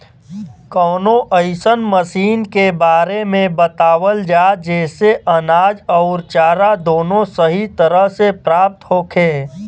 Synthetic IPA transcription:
kɔːnõʔəɪsənməsiːnkebaːɾemẽbət̪aːwəld͡ʒaːd͡ʒɛːseʔənaːd͡ʒɔʊɾt͡ʃaːɾad̪oːnõsəɦit̪əɾəɦsepɾaːp̚t̪ɦoːkʰẽː

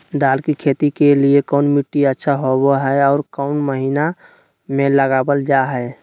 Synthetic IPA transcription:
d̪aːlkikʰeːt̪ikeliekɔʊnmiʈːiətːʃʰaɦoboɦɛɔːɾkɔʊnməɦina | mẽləɡaːbəld͡ʒaɦɛː

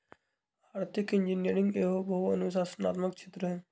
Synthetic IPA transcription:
bʱaːɾt̪ɪkɪ̃nd͡ʒiniəɾɪ̃ŋɡeːɦobəɦuɐ̰nusaːsna̰ːt̪məkt͡ʃʰeːt̪ɾəɦɛ

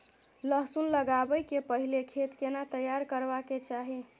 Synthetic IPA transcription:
ləɦsunləɡabəjkepəɦilekʰet̪kenat̪əjaɾkəɾbaket͡ʃaɦi

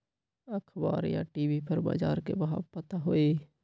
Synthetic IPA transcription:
əkʰbaːɾja̰ʈiːbipəɾba̰ːd͡ʒa̰ːɾkḛbəɦabpət̪aɦoːeː

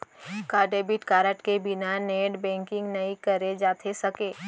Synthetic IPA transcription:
kaːɖeːbɪʈkaːɾəʈkebɪnaneːɖbɛ̃ːŋkɪ̃ŋɡnɐikɐɾed͡ʒaːt̪ʰesɐkeː

